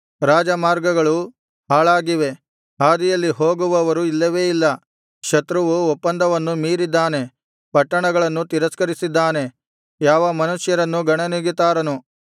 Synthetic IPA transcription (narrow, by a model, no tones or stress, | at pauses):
ɾaːd͡ʒɐmaːɾɡɐɡɐɭu | ɦaːɭaːɡiʋe̞ | aːd̪ijɐlːiɦo̞ːɡuʋɐʋɐɾuilːɐʋe̞ːilːɐ | ʃɐt̪ɾuʋuɔpːɐnd̪ɐʋɐnːumiːɾid̪ːaːne̞ | pɐʈːɐɳɐɡɐɭɐnːut̪iɾɐskɐɾisid̪ːaːne̞ | jaːʋɐmɐnuʂjɐɾɐnːuɡɐɳɐniɡit̪aːɾɐnu